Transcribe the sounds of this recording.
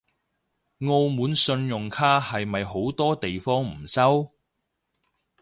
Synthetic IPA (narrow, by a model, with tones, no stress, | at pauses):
ŋo˧wmuː˨˥nsɵ˧njʊ˨ŋkʰaː˥hɐ˨jmɐ˨jɦo˨˥wt̪ɔː˥t̪e˨jfɔː˥ŋm̩˨˩sɐ˥w